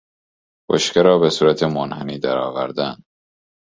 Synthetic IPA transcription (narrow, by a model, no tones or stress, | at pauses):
b̥o̰ʃceɾɒːbesuːɾæt̪ʰemonheniːd̪æɾɒːvæɾd̪ænd̪